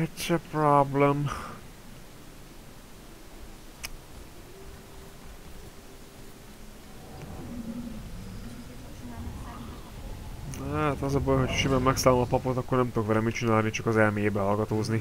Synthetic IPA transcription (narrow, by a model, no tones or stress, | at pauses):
ɛt̪ʃɛprɔblɛm | hat̪ɒzɒbolho̞cʰʃivɛmːɛksaːlomɒpɒpot̪ɒkːornɛmt̪ukvɛɾɛmit͡ʃinaːlnit͡ʃɒkɒzɛlmijeːbɛɦɒlɡɒt̪oːzni